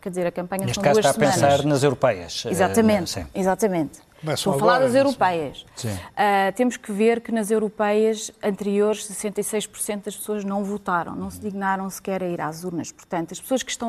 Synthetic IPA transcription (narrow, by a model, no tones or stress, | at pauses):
kɛɾd̪izeɾɐkɐ̃mpɐɲɐsneʃtɐ̃kad̪uɐʃsaɐmpẽɐ̃saɾɾnɐzewɾupɛjɐ̰ʃizat̪ɐmẽnt̪sḭ̃izat̪ɐmẽnt̪ | vaoɐfɐlˠaɾðɐzewɾupɛjɐʃsĩɛt̪emuʃkɨveɾkɨnɐzewɾupɛjɐʃɐ̃nt̪ɨɾioɾʃsɨsẽnt̪ɐisɐjʃpu̥ɾsẽnt̪̚d̪ɐʃpsoɐʒnɐ̃w̃vut̪aɾɐ̰̃w̃nɐ̃w̃sd̪iɣnaɾɐ̃w̃sɨ̥kɛɾɐiɾa̰zuɾnɐʃpuɾt̪ɐ̃nt̪uɐʃpsoɐʃkɨ̥ʃt̪ɐ̃w̃